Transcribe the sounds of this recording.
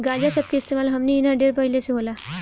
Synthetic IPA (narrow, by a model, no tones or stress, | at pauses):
ɡad͡ʑasəp̚kiist̪emalɦəmniːnaɖeɾpaɦileseɦola